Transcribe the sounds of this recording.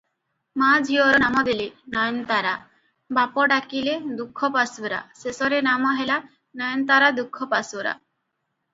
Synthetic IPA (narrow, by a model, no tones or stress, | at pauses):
mad͡ʒʱiɔɾɔnamɔd̪elenajnt̪aɾa | bapɔɖakiled̪ukʰːɔpasuɾa̰sesɔɾenamɔɦela | najnt̪aɾad̪ukʰːɔpasuɾa̰